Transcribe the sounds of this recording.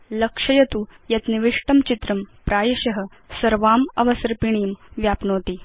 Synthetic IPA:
lɐkʂɐjɐt̪ujɐt̪niʋiʂʈɐmt͡ɕit̪ɾɐmpɾaːjɐɕɐɦə̆ | sɐɾʋaːmɐʋɐsɐɾpiɳ̃iːmʋjaːpnoːt̪iː

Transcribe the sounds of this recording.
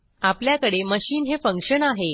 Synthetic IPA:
apljakəɽeməɕiːnɦefəŋkʂənaɦe

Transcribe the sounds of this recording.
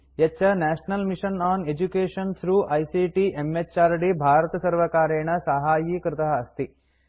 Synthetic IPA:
ɐt͡ʃːɐnæːʃnɐlmiʃɐnaːned͡ʒukeːʃɐnt̪ʰɾuːʔɐjsiʈiʔemet͡ʃːaːɾɖibʱaːɾɐt̪ɐsɐɾʋɐkaːɾeːɳɐsɐɦaːjikɾɪt̪ɐɦɐːst̪i

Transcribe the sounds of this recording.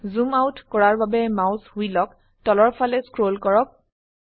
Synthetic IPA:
zumawtkɔɹaɹbabɛmawshujlɔk | tɔlɔɹpʰalɛskɹolkɔɹɔk̚

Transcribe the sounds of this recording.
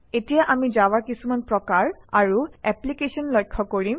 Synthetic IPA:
etijaʔamizawaɹkisumanpɹɔkaɹaɹuɛplikesɔnlɔjkʰːɔkoɹim

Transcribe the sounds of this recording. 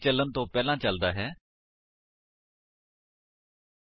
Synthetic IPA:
t͡ʃələnt̪õːpɛːlãːt͡ʃəld̪aːɦɛː

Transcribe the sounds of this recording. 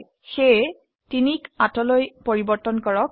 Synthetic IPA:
xej | tinikatɔlojpoɹibɔɹtɔnkɔɹɔk̚

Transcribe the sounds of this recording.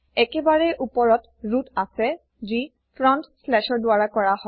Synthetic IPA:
ɛkɛbaɹɛʔupɔɹɔt | ɹutasɛ | zi | pʰɹɔntslɛʃɔɹdʊaɹakɔɹaɦɔ

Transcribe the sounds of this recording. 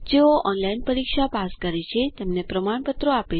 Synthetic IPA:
d͡ʒeoʔɔnlainpəɾikʃapaskəɾet͡ʃʰet̪emnepɾəmaɳ̃pət̪ɾoape

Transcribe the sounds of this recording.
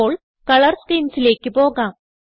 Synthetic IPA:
oːɭ | kɐɭɐɾskiːnsileːkːipoːɡãː

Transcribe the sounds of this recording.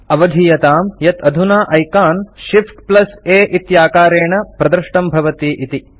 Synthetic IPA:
ɐʋɐd̪ʱijɐt̪aːmjɐt̪ʰɐd̪ʱunaːʔɐjkaːnʃipʈplɐseːʔit̪jaːkaːɾeːɳɐpɾɐd̪ɐɾʃʈɐmbʱɐʋɐt̪iːʔit̪i

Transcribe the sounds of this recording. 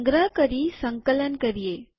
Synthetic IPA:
ŋɡɾaːkɐɾisɐŋkɐlɐnkɐɾijeː

